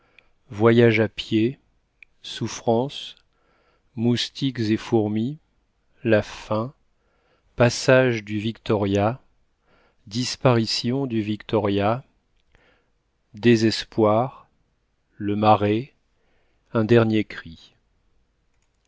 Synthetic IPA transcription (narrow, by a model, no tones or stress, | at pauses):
vwajaʒapje | sufχɑ̃s | must̪ikzefuʁmi | lafɛ̃ | pasaʒd̪yvikt̪ɔʁja | d̪ispaʁisjɔ̃d̪yvikt̪ɔʁja | d̪ezɛspwaʁ | ləmaʁe | ɛ̃d̪ɛʁnjekχi